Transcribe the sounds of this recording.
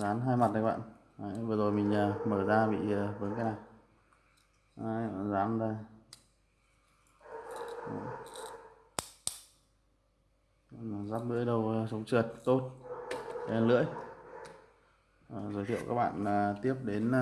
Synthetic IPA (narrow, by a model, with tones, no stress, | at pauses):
zaː˨˦nɦaː˧jma˨˩t̚ɗə˨˦ɓa̰ː˧˨n | ʔa˨˦jvəː˨˩zo˨˩jmï˨˩ŋ̟ə˨˩məː˧˨˩zaː˧ɓḭ˧˨ə˨˩vəː˨˦jkaː˨˦jna˨˩j | ʔa˨˦˧zaː˨˦nzə˧˩j | zaː˦˥p̚lɨ̰˧˥əjɗə˧˩wsə˨˦wŋ͡mt͡ɕɨ˨˩ət̚t̪o˦˥t̚ | lɨ̰˧˥əj | zəː˨˦jt̪ʰḭ˧ə˨wkaː˦˥k̚ɓa̰ː˧˨nə˨˩t̪i˦˥əp̚ɗe˨˦n